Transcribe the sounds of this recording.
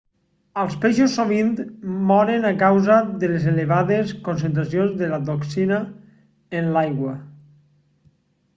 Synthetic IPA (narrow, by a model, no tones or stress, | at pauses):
əlˠspeʃosːoβint̪mɔɾenakawzaðelezeleβaðeskonsent̪̬ɾas̬ionzðelat̪oksina | enlajɣwa